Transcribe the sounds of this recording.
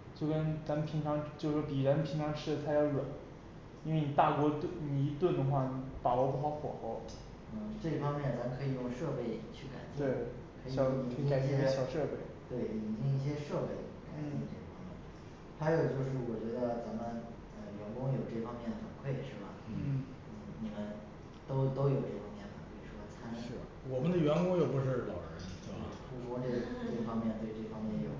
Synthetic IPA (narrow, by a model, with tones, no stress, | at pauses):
t͡ɕjo˥˩ʊkə˥nt͡sa˧˥mə˨˧pʰi˧˥ŋʈ͡ʂʰɑ˧˥ŋt͡ɕjo˥˧˩ʂɔ˥˩pi˨˩ɻə˧˥n˧pʰi˧˥ŋʈ͡ʂʰɑ˧˥ŋʂʰɻ̩˥d̪ə˨˩t̪ʰa˥jɑ˥˩ʊlwa˨˩˦n | i˥nwe˥˩ni˨˩t̪a˥˩kwɔ˧˥t̪ni˧˩i˧˥t̪wə˥˩nd̪ə˩xwa˥˩ni˩pa˨˩lɔ˧˥pu˥˩xɑ˧˥ʊxwɔ̰˨˩˦ʊ | nə˧˩ʈ͡ʂɤ˥˧i˥˩fɑ˥ŋmjɛ˥˩nt͡sa˧˥mə˧kʰɤ˧˥i˨˩jʊ˥˧ŋʂɤ˥˧pe˥˧ɪt͡ɕʰy˥˩ka̰˨˩ɪpjwe˥˩ɪ | kʰɤ˧˥ɕjɑ˧˩˦ka˨˩ɪt͡ɕɛ˥˩ɕjɑ˨˩ʊʂɤ˥˧pe˥˩ɪt̪we˥˩ɪi˨˩˨t͡ɕi˥˧ŋi˥˩ɕ̬jɛ˥ʂɤ˥˧pe˥˩ɪka˨˩ɪt͡ɕi˥˩nd̪ə˩ʈ͡ʂɤ˥˩ɡə˩fɑ˥ŋmjɛ˥˩n | xa˧˥ɪjo˨˩ʊt͡ɕjo˥˧ʊʂ̬ɻ̩˥˩wɔ˨˩t͡ɕɥɛ˧˥d̪ə˧t͡sa˧˥mə˧n | ə˧ɥɛ˧˥nkʊ˥ŋjo˨˩ʊʈ͡ʂɤ˥˩fɑ˥ŋmjɛ˥˩nəxə˨˩nkʰwe˥˩ɪʂɻ̩˥˩bɐ̰˩˥˩ | ni˨˩mə˦n | t̪o˥ʊt̪o˥ʊjo˨˩ʊʈ͡ʂɤ˥˩fɑ˥ŋmjɛ˥˩nbɐ˨˩kʰɤ˧˥i˨˩ʂwɔ˥t͡sʰa˥n˥˩˥ | wɔ˨˩mə˦nd̪ə˧ɥɛ˧˥nkʊ˥ŋjo˨˩pu˧˥ʂɻ̩˥˩lɑ˨˩ʊʈ͡ʂɻə˧˥n˥˩u˥kwɔ˥ʈ͡ʂɤ˥˩˥ʈ͡ʂe˥˩fɑ˥ŋmjɛ˥˧nt̪we˥˧ɪʈ͡ʂɤ˥˩fɑ˥ŋmjɛ˥˩njo˨˩˦ʊ